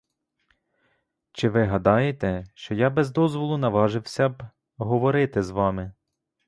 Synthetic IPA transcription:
t͡ʃɪʋɪɦɐd̪ɑjet̪ɛʃt͡ʃɔjɑbɛzd̪ɔzʋɔlˠʊnɐʋɑʒɪwsʲɐb | ɦɔʋɔɾɪt̪ɪzʋɑmɪ

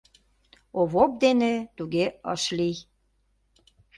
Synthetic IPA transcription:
oβop̚d̪enet̪uɣeə̰ʃlij

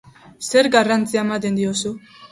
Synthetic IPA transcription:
seɾɡarant͡siaemat̪̬e̞nd̪iosu

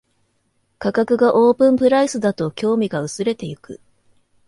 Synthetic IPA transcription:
kakakɯ̟ɡaʔoːpɯ̟̃mpɯ̟ɾaisɨd̪at̪o̞kʲo̞ːmʲiɡaɯ̟sɨɾe̞t̪e̞ɯkɯ̟̰

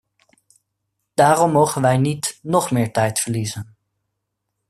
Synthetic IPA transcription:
d̥aːrɔmːowχənʋɛjnitnɔχmɪːɹtɛjtfəɹlizən

